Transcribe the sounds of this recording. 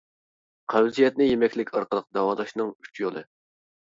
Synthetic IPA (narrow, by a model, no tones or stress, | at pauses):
qʰæwzijɛt̪̚nɪjemɛkʲlɪkʲɑɾqəlˠəq̚d̪ɑwɑːlˠɑʃnɨŋyt͡ʃjolˠɨ